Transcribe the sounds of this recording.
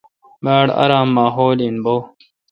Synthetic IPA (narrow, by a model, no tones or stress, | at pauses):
baːɽɐ̰ɾaːmːaːɦoːlinboː